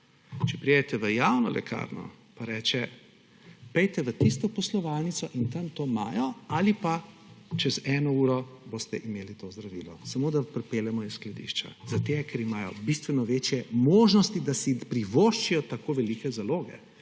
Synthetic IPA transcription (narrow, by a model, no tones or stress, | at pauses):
t͡ʃɛpɾied̪ɛt̪ɛʋəjawnɔlɛ̰kʰa̰ɾnɔ̰ | paɾɛt͡ʃɛ | pɛjt̪ɛʋət̪ist̪ɔpɔslɔʋaːlnit̪sɔʔint̪ɐmt̪oːma̰ːjɔalipat͡ʃɛzɛnɔuːɾɔboːst̪ɛʔimeːlit̪ozd̪ɾaʋiːlɔsamoːd̪apɾɛpeːljɛmɔisklad̪ḭːʃt͡ʃa̰zat̪eɡkʰɛɾimajɔ̰bist̪ʋɛnɔʋeːt͡ʃjɛmoːʒnɔst̪id̪asipɾiʋoʃt͡ʃijɔt̪akoːʋɛliːkɛzaloːɡɛ̰